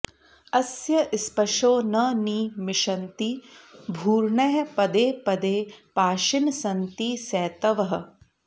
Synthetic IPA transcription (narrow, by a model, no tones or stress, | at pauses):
ɐsjɐʔispɐʃoːnɐniːmɪʃɐnt̪ibʱuːɾɳɐjɐpɐd̪eːpɐd̪eːpaːʃinsɐnt̪isɛːt̪ɐʋɐɦɐ̆